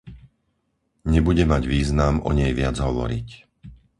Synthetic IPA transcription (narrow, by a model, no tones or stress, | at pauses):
ɲɛbuɟɛmaɟʋiːznamɔ̰ɲɛjʋɪad͡zɦɔʋɔ̰ɾic